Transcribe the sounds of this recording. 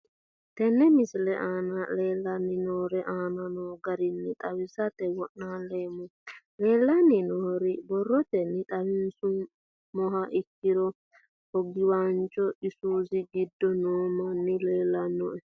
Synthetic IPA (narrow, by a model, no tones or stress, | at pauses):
t̪ɛnːɛmɪslɛʔanaleːlːanːinoːɾɛʔaːnanɔɡɐɾinːit̪ʼɐwɪsat̪ɛwɔʔnalemu | leːlːanːinɔːɾibɔrːɔt̪ɛnːit̪ʼɐwɪnsu | mɔɦaʔikːiɾɔ | hɔɡɪwant͡ʃʼɔisuːziɡid̪ːɔnoːmɔnːileːlːɐnːɔɛ